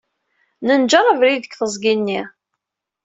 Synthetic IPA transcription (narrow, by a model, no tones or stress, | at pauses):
nənd͡ʒəɾˤəvɾiðəkθəzˤɡinːi